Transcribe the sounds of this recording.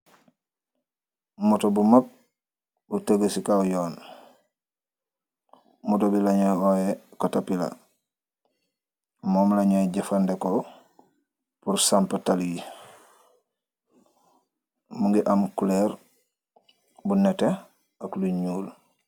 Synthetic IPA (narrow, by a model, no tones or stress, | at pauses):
mutobumap̚ | butaɡesikawjoːn | mutobilaɲoojekotapila̰ | moːmlaɲojeɟefandeko | puɾsampətalii | muŋɡiʔamkuleɾ | bunete | akluɲuːl